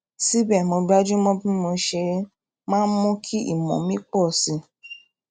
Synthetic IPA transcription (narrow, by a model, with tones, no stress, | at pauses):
si˦bɛ˦˨mõ˧ba˦d͡ʒu˦mɔ̃˦bĩ˦mo˧ʃe˧ | mãː˦n̩˦mɔ̃˦kʰi˦ḭ˦˨mɔ̰̃˨mĩ˦k͡pɔ˦˨si˨˧